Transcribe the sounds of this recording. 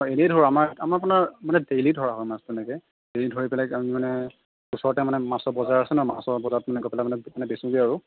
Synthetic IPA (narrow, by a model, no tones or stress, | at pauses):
ɔenejdʱoɹamaɹamaɹap̬ʊnaɹmanɛdejlidʱɔɹaɦɔjmastɛnɛkɛ | d̥ejlidʱoɹipɛlakamimanɛ | usɔɹɔtɛmanɛmasɔbɔzaɹasɛnɔma̰sɔbɔzatmanɛɡɔpɛlamanɛmanɛbesũɡiaɹu